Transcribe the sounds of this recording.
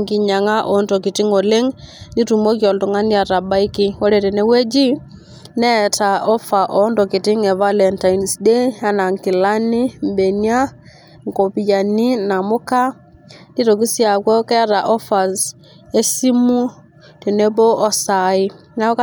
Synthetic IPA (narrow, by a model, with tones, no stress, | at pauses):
ŋki˨ɲa˨ŋa˦ʔɔ˨ntɔ˨ki˨ti˦ŋo˨le˦ŋndi˦tu˨mo˦kjɔ˨ltu˨ŋa˦ni˦a˨ta˨ba˦i˦ki˦wɔ˦ɾe˨te˨ne˦we˦d͡ʒi˦ | nɛ˦ta˨ɔ˦fa˨ʔɔ˨ndɔ˨ki˨tɪ˦ŋɛ˨va˦lɛ˨nta˨i˨nsde˦a˨na˨ŋki˨la˦ni˦mbe˨nja˦ | ŋko˨pi˨ja˨ni˦na˨mo˦ka˦ | ndi˦to˨k̬i˦sja˨kwɔ˦kɛ˦ɾa˨ʔɔ˦fa˨z | e˦si˦mu˦ | te˨ne˦bɔ˦ʔɔ˦sa˨i˦ | na˦ɔ˦ka˦